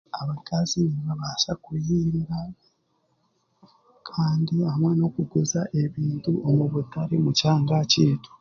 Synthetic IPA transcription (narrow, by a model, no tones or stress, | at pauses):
aβakaziniβaβasakujiːŋɡa | kʰaːndiahamwano̞kuɡuzaʔe̞βiːntuʔomuβutaɾemucaːŋɡaciːto̥